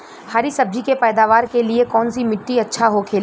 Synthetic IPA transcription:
haːɾisɐb̚d͡ʒʱikepɛːd̪aːʋaːɾkeliekɔːnsimɪʈːiɐtːʃʰaɦokʰeːl

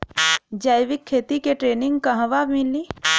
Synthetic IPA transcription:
d͡ʒaːjʋɪkʰːeːt̪ikeʈɾeːnɪ̃ŋɡkaɦɐʋamɪlːi

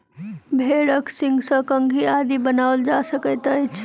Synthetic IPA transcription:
bʱeɽəksĩŋɡsə̃kəŋɡʱiad̪ibənaʊld͡ʒasəkət̪əjt͡ʃʰ

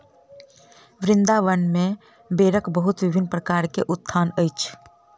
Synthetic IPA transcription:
ʋɾɪ̃nd̪aʋənmẽ | beːɾəkbəɦʊt̪ʋɪbʱɪnpɾəkaːɾkeʔʊt̪ʰːaːnəjt͡ʃʰ

